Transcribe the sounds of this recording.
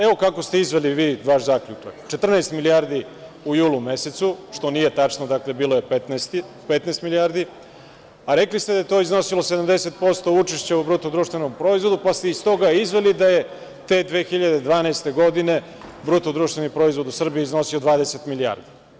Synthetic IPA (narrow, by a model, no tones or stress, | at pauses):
eʋo̞kako̞st̪e̞izʋeliʋiːʋaʃzakʎuta̰kt͡ʃe̞t̪r̩naest̪miliaɾd̪i | ujuːlumese̞t̪suʃt̪o̞nije̞t̪at͡ʂnod̪akle̞biːlojepet̪nst̪i | pet̪neːst̪milijaɾd̪i | aɾeklist̪e̞d̪ajet̪o̞izno̞silo̞se̞d̪amd̪eset̪̚po̞st̪o̞ut͡ʃeʃt͡ɕeubɾut̪od̪ɾuːʃt̪vʋe̞nompɾo̞izvʋo̞d̪upast̪eist̪o̞ɡaizʋe̞lid̪aje̞ | t̪e̞ːd̪ʋeːxiʎad̪ed̪ʋaːnaest̪e̞ɡo̞d̪ine̞ | bɾut̪od̪ɾuːʃt̪ʋe̞nipɾo̞izvʋo̞d̪usr̩bijeizno̞siod̪ʋaːd̪eset̪milia̰ɾd̪i